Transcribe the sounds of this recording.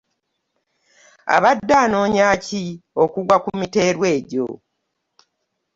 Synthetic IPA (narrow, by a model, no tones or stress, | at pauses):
a̰βadːaːno̞ːɲaːcio̞kuɡwakumite̞ːɾwe̞ːɟo̰